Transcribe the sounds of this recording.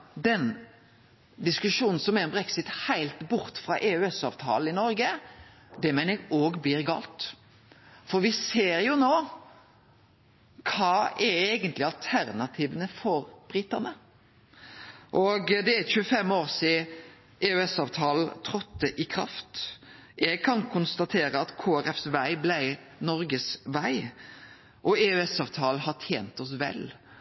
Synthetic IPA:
d̪ɛn | d̪ɪskʉʂuːnn̩sɔmɛɾmbʁɛksɪt̪hæɪlt̪bʊɾt̪fʁɑʔeːʉɛsɑːʋt̪ʰɑ̰ːl̩ɪnɔɾɡə | d̪ɛmæɪnɛɡoːɡbliːɾɡɑ̰ːlt̪ | fɔɾʋɪseːɾjʊnoː | kʰɑːɛɾeɪɡənt̪lɪɑlt̪ʰæɾnɑt̪ʰiːʋənəfɔɾb̥ɾɪt̪ɑnə | ʔɔɡd̪ɛæçʉːəfɛmoːɾsɪ | ʔɛʉɛsɑːʋt̪ʰɑːl̩t̪ʰɾɔt̪ːəʔɪkʰɾɑ̰ft̪ | ɛɡ̚kʰɑnkʰʊnst̪ɑt̪ʰeːɾəɑt̪kʰoːæɾɛfsʋæɪblæɪ | nɔɾɡəsʋæɪ | ʔɔeʉɛsɑːʋt̪ʰɑːlɦɑʈʰjeːnt̪ɔs̬ʋɛ̰l

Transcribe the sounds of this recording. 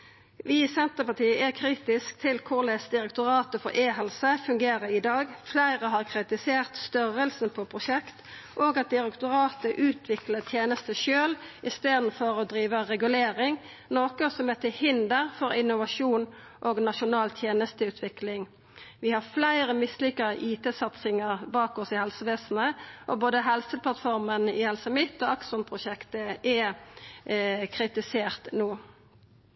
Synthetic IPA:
ʋɪsɛnt̪əpɑʈiːəʔɛkʰɾiːt̪ɪsk̚t̪ʰɪlkʰʊʁlɛːsd̪ɪɾɛkt̪ʊɾɑːt̪əfɔ̰ɾʔeːɦɛlsəfʉŋɡeːɾəɾɪd̪ɑːɡflæɪʁəɦɑːʁkʰɾɪt̪ɪseːʁt̪st̪œɾəlsn̩pʰɔpʰɾʊʃɛkt̪ | ʔoːɡɑt̪̚d̪ɪɾɛkt̪ʊɾɑːt̪əʔʉːt̪ʰʋɪklət̪ʰjeːnəst̪əʃøːlʔɪst̪eːd̪n̩fɔɾɔd̪ɾiːʋəʁɛɡʉleːɾɪŋ | noːkəsɔmɛt̪ʰɪhɪnd̪əʁfɔɾɪnʊʋɑʂuːn | ʔoːɡnɑʂʊnɑːlt̪ʰjeːnəst̪əʉːt̪ʰʋɪklɪŋ | ʋɪhɑʁflæɪʁəmɪslʏkːəʁəʔiːt̪eːsɑt̪sɪŋəʁbɑːkɔsɪhɛlsəʋeːsn̩əʔɔ̰boːd̪əɦɛlsəpʰlɑt̪fɔʁmənɪhɛlsəmɪt̪ːoːɑksɔnpʰʁʊʃɛkt̪əʔɛ | kʰɾɪt̪ɪseːʁt̪noː

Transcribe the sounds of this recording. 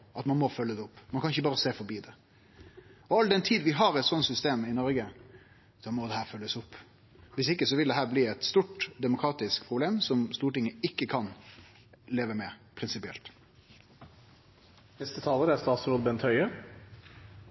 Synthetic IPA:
ʔɑt̪mɑnmɔfœlːəd̪ɛʊpːmɑnkʰɑnɪçːəbɑːɾəseːfɔɾbiːd̪ɛ | ɔɑld̪ɛnt̪ʰiːd̪ʋɪɦɑɾɛt̪sɔnt̪sʏst̪eːmɪnɔɾɡə | sɔmɔːd̪ɛhæːɾfœlːəsʊpː | ʋɪsɪkːəsɔʋɪld̪ɛɦæːɾbliːɛt̪st̪uːʈd̪ɛmʊkʰɾɑːt̪ɪskpʰɾʊbleːmsɔmst̪uːɾʈɪŋːəɪkːəkʰɑn | leːʋəmɛpʰɾɪnsɪpɪɛ̰lt̪ | nɛst̪ət̪ʰɑːləɾæst̪ɑːt̪sɾuːd̪bɛnt̪hœʏə

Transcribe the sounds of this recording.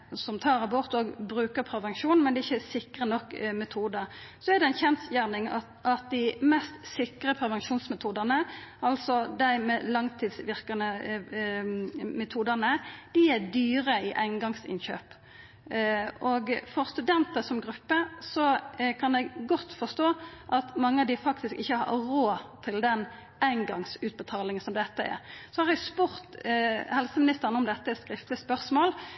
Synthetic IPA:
sɔmt̪ʰɑːʁɑbɔʁt̪oɡbʁʉːkəpʰɾɛʋɛŋʃuːnmɛnd̪ɛɪçːəsɪkʁənɔkːmɛt̪ʰuːd̪əʁsɔɛd̪ɛæɪnçɛnt̪sjæʁnɪŋ | ʔɑt̪̚d̪ɪmɛst̪sɪkʁəpʰɾɛʋɛŋʃuːnsmɛt̪ʰuːd̪əʁnəɑlsɔd̪æɪmɛlɑŋt̪ʰiːd̪sʋɪʁkɑnə | mɛt̪ʰuːd̪ənəd̪̥ɪæd̪yːɾəɪʔæɪnɡɑŋsɪ̰nçø̰ːp | ʔɔɡfɔʁst̪ʉd̪ɛnt̪əsɔmɡʁʉpːəsɔkʰɑnɛɡɡɔt̪ːfɔst̪oːʔɑt̪mɑŋːəɑd̪ɪfɑkt̪ɪskɪçːəhɑ̰ɾoːt̪ʰɪld̪ɛn | ʔæɪŋɡɑŋsʉːt̪̚bət̪ʰɑːlɪŋənsɔmd̪ɛt̪ːəɛ̰ɾsɔhɑɾæɡspʊʁt̪hɛlsəmɪnɪst̪əʁənəɔmd̪ɛt̪ːəɛskʁɪft̪ləspœʁsmoːl

